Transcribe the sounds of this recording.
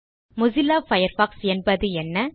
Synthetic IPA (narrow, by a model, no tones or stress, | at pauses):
mʊzɪlːaːfɐjɐɾfaːksɛnbɐðɯɛnːɐ